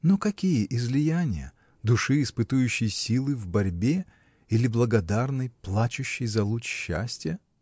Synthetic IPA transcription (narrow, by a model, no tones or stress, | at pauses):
nokɐkʲijəʔɪzlʲɪjanʲɪjə̰ | d̪ʊʂɨɪspɨt̪ʊjʉɕːɪjsʲilˠɨvbɐɾʲbʲe | ilʲɪblˠəɡɐd̪arnɨjplˠat͡ɕʊɕːɪjzɐlˠut͡ɕɕːa̰sʲtʲjə